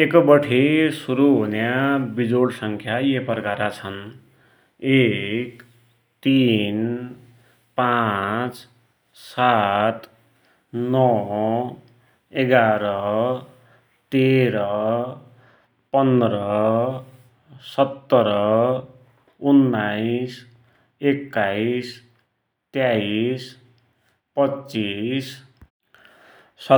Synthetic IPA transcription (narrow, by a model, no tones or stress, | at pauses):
ekʌbʌʈʰesuɾuɦonjabid͡zoɽsʌŋkʰjajepʌrkaɾat͡sʰʌn | ek | t̪in | pat͡s | sat̪ | nʌ | eɡaɾʌ | t̪eɾʌ | pʌnd̪ɾʌ | sʌt̪ːʌɾʌ | unːajis | ekːais | t̪jais | pʌt͡sːis | sʌ